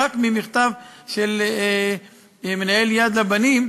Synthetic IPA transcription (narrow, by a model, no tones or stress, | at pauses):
akmimiχt̪avʃel | menae̞ljad̪labanim